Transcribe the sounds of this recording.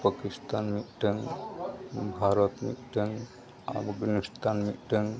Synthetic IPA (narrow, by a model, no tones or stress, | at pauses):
pakist̪anmiʈəŋ | bʱaɾɔt̪mḭʈəŋ | a̰bbinust̪anmiʈəŋ